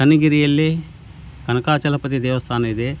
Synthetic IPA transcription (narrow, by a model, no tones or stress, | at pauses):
kɐniɡiɾijɐlːi | kɐnɐkaːt͡ʃɐlɐpɐt̪̬id̪ɛːʋɐst̪ʰaːnɐid̪e